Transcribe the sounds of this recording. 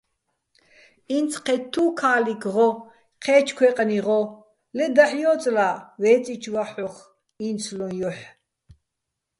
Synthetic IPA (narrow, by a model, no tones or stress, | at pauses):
int͡sʰqʰɛt̪ʰːukʰaːlikʁɔ | qʰɛːt͡ʃʰkʰwɛqʼniʁɔ | lɛd̪aħjɔːt͡sʼlawɛːt͡sʼit͡ʃʰwaħɔχ | int͡sʰlɔnjɔħ